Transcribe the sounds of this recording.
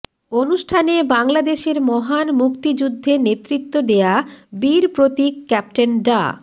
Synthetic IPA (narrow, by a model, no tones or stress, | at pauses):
onuʃʈʰanebaŋlad̪eʃeɾmɔɦanmukt̪id͡ʑud̪ʱːenet̪ɾit̪ːod̪ejabiɾpɾot̪ikːɛp̚ʈenɖa̰